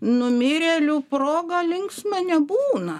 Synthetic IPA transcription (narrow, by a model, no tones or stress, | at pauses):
nʊmʲɪɾʲeːlʲuproːɡɐlʲɪŋksmɐnʲɛbuːnɐ